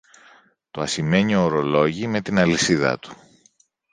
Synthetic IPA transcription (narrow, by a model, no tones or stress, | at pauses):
t̪oɐsime̞ɲio̞ːɾo̞lo̞ʝime̞t̪inɐlisiðɐ̰t̪u̥